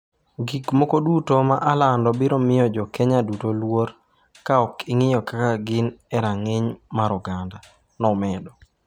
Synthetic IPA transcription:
ɡikmokodutomaʔalandɔbɪɾɔmɪjɔd͡ʒɔkɛɲadutolwoɾ | kaɔkɪŋɪjɔkakaɡɪnɛɾaŋeɲmaɾɔɡanda | nɔmɛdɔ

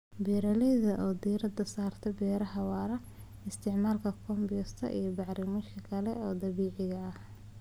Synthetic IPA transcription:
bɛɾɐlɛjðɐʔɔːd̪iːɾɐd̪ɐsaːrt̪ʰɐbɛːɾɐɦɐwaːɾɐ | ɪst̪ʰɪʕmaːlkʰɐkʰɔmbɪjɔst̪ʰɐ̰ʔḭjɞbɑʕɾɪmɐʃkʰɐkʰɐlɛɔːd̪ɐβiːʕɪɣɐɐh

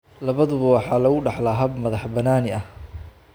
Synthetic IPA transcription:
lɐβɐðʊβɐwɑħɑːlɐɣʊɖɑħlaɦɐbmɐðɑħbɐnaːnɪɐh

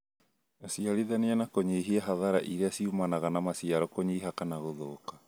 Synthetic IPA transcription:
siaɾiðaneanakoɲeːɦiaɦaðaɾaʔiɾeasiumanaɣanamasiaɾɔkoɲiːɦakanaɣoðoːka

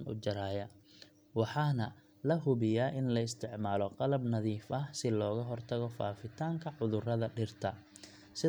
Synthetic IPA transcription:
nʊ̰d͡ʒɐɾaːjɐ | wɑħɑːnɐ | lɐɦʊβɪjaːʔɪnlɐɪst̪ʰɪʕmaːlɔqɑlɐbnɐðiːfɐhsɪlɔːɣɐɦɔrt̪ʰɐɣɔfa̰ːfɪt̪ʰaːŋkʰɐʕʊðʊrɐðɐɖɪrt̪ʰɐ | sɪ

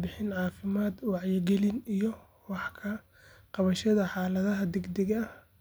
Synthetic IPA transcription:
bɪħɪnʕɑːfɪmaːd̪wɑʕjɪɡɛlɪnijɔ | wɑħkʰɐ | qɑβɐʃɐðɐħɑːlɐðɐɦɐd̪ɛɡd̪ɛɣɐɐ

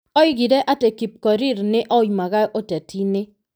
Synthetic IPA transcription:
ɔɪɡidɛʔatekip̚kɔɾɪɾnɪʔɔjmaɡaʔotetʰinɪ

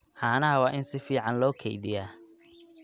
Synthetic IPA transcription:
ħɑːnɐɦɐwɑːʔɪnsɪfiːʕɑnlɔːkʰɛ̰jðɪjaː

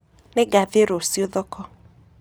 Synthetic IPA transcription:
nɪɡaveɾosioðɔkʰɔ

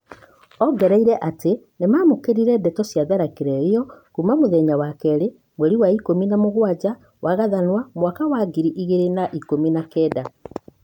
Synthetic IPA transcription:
ɔɡɛɾɛiɾɛʔate | nemaːmokeɾiɾɛdɛtɔsjaðaɾakeɾɛɾiɔkumamoðɛɲawakɛɾe | mweɾiwaikominamoɣwad͡ʑa | wʔaɣaðanwamwakawaɡiɾiʔiɣeɾenaʔikominakɛːda

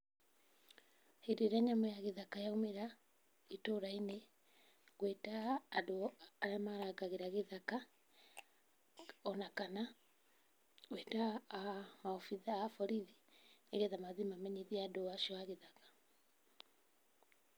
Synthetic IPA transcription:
heɾeɾaɲamɔjaɣeðakajaumeɾa | itoɾaine | ɣwetaːdoaɾamaɾaɡaɣeɾaɣeðaka | ɔnakana | ɣweta | maɔfiðaːfɔɾiðineɣɛðamaðimamɛɲeðiadoaʃiɔaɣeðakḁ

